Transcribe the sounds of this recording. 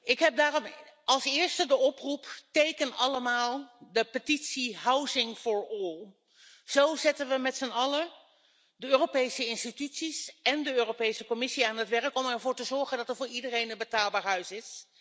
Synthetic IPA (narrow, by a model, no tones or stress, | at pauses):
ɪkɦɛp̚daːrɔmɑlˠsɪːɹstədəɔpruptejkənɑləmaːlˠdəpətitsiɦawzɪŋfʊɹɔlˠ | z̥owzɪtənʋəmɛtsənɑlə | dəøːropejsəɪnstitytsisɛndəøːropejsəkɔmɪsiaːnɦətʋɛɹəkɔmɛɹvʊːɹtəzɔɹχəndɑtəɹvʊːɹidərejnənbətaːlˠbaːɹɦœɥsɪs